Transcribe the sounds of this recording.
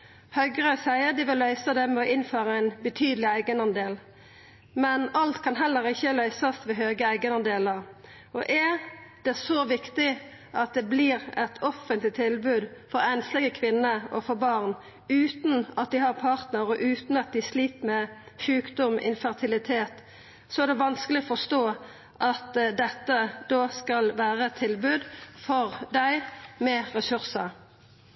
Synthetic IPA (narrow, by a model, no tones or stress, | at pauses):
hœʏɡʁəsæɪəd̪ɪʋɪlːœʏsəd̪ɛmɛɔʔɪnføːʁəæɪnbət̪ʰyːd̪lɪæɪɡənɑnd̪eːl | mɛnɑlt̪kʰɑnɦɛlːəɾɪçːəlœʏsɑst̪ʋɛɦøːɡəæɪɡənɑnd̪eːləʁ | ɔʔɛd̪̥ɛsoʋɪkt̪ɪ | ʔɑt̪̚d̪ɛbliːɾɛt̪ʰɔfənt̪lɪt̪ʰɪlbʉːd̪fɔɾɛnslɪɡəkʰʋɪnːəɔ̰fɔɾbɑʁn | ʉːt̪n̩ɑt̪̚d̪ɪhɑʁpʰɑːʁt̪nəɾɔʔʉːt̪n̩ɑt̪̚d̪ɪsliːp̪mɛ | ʃʉːkd̪ɔmʔɪ̰nfəʁt̪ʰɪlɪt̪ʰeːt̪ | sɔæɾd̪ɛʋɑnskəlɪɔfɔst̪oː | ʔɑt̪d̪ɛt̪ːəd̪oːskɑlʋæːʁət̪ʰɪlbʉːd̪fɔʁd̪æɪmɛɾɛsʉɾsə